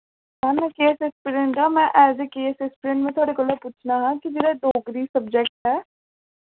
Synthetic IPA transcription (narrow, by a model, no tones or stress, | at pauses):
ɦanəkeːsɛspiɾẽɳʈaːmɛ̃ːʔɛːzeːkeːsɛspɪɾə̃ɳʈmẽːt̪ʰʊaːɽeːkoːloːpʊt͡ʃʰnaːɦãːkɪd͡ʒeːɾaːd̪oːɡɾiːsəbd͡ʒɛk̚ʈɦɛː